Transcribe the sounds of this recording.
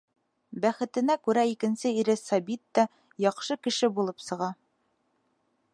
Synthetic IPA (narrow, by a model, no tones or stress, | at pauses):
bæχɘ̆t̪ɘ̆nækʉɾæikɘ̆nsɘiɾɘsɑbit̪ːɑ | jɑqʃɤkɘ̆ʃɘbulˠɤpsɤ̆ʁɑ